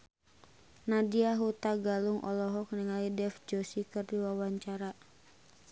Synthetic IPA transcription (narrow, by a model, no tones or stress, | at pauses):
nadiaɦut̪aɡaluŋʔɔ̰lɔɦɔk̚niŋalidɛfd͡ʒɔsikɨrdiwawaɲt͡ʃaɾa